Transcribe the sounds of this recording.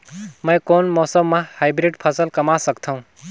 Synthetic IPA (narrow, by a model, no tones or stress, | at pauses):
mə̃jkoːnmɔːsəmːãhajbɾiɖpʰəsəlkɐmasəkt̪ʰəũ